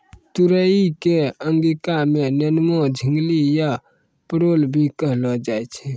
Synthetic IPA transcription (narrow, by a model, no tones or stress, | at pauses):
t̪uɾəikeəŋɡikamẽnənmod͡ʒʱɪŋɡlija | pəɾoːlbʱikəɦlɔd͡ʒaɛt͡ʃʰɛ